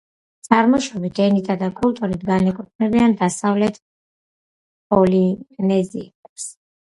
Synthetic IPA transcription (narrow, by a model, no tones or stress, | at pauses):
t̪sʼaɾmɔʃɔbit̪ʰɛnit̪ʰad̪akʼult̪ʼuɾit̪ʰɡanɛkʰʼut̚ʼʰnɛbiand̪asavlɛt̪ʰ | pʼɔlinɛzḭɛps